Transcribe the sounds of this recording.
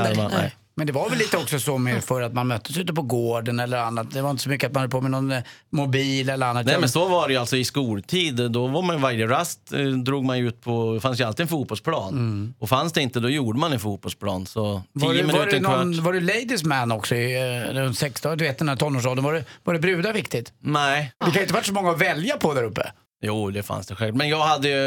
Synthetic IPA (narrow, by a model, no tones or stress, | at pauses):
ɛ̰ | mɛnd̪ɛvaɾvɛlːiːt̪əɔksɔsɔmɛfœɾat̪manmœt̪ːəsʉ̟ːt̪əpʰɔɡoːɖənɛlːəɾanːat̪̚d̪ɛvaɾɪnt̪ə̥sɔmʏkːəat̪̚manhœd̪ːəpʰomɛnɔn | mʊbiːlɛlːəɾanːat̪nɛmɛnsɔvaɖɛjalt̪sɔɪskuːlt̪ʰiːd̪d̪ɔvaɾmanjvaɾjəɾast̪d̪ɾuːɡmanjʉʉːt̪̚pʰɔɛfans̬jɵalt̪iːɛnfuːt̪bɔlspʰlɑːnɔfansd̪ɛɪnt̪əd̪ɔjuːɖəmanɛnfuːt̪̚bɔlspʰlɑ̰ːnsɔːəmɪnʉːt̪əɾɛk̪vavaɖɵlɛjd̪ɪsmænːɔksɔɪd̪ɛɔnsɛkst̪ːd̪ɵveːt̪d̪ɛnæt̪ʰɔnːoːʂɔːd̪ənvaɖɛvaɖɛbɾʉ̟ːd̪avɪkt̪ɪt̪nɛɪd̪ɛkʰaʊɪt̪əvaʈːsɔmɔŋːaɔvɛljapʰɔd̪æɾɵpːə̰ | juːd̪ɛfa̰nsd̪ɛɧɛlmɛnjɑːɡhad̪ːəjɵ